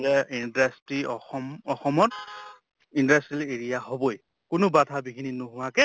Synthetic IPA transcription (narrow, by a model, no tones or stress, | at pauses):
ɛindastɹiɔmɔxɔmɔt | indastileɹijaɦoboj | kʊnʊbadʱabikʰininʊɦʊwakɛ